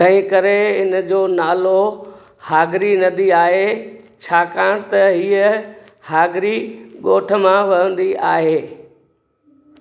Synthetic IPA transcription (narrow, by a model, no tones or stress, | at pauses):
t̪ɐ̃ɦɪ̃kɐɾeɪnəd͡ʑoːnaːlo | haːɡɾinɐd̪iaːɦe | t͡ɕʰaːkãːɽ̃t̪ɐɦiːə | haːɡɾiɠoːʈʰə̆mãʋɐɦə̃nd̪iʔaːɦeː